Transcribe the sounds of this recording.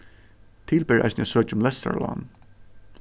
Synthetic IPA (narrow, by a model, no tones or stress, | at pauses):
t̪ʰiːlpɪːɹa̰jsnjɛsœːt͡ʃʊmlɛst̪a̰ɹlɔ̰ːn